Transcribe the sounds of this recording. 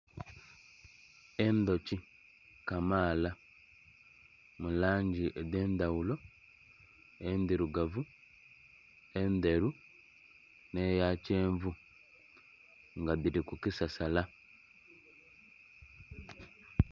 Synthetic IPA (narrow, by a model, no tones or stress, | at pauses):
end̪o̞ci | kamaːla | mulaːɲɟiʔedeːnd̪awulo̞ | end̪iɾuɡavu | end̪e̞ɾu | nejaceːɱvu | ŋɡaβiɾikukisasala